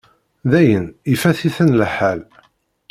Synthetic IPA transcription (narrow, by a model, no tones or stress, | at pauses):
ðæjənifæθiθənlħæl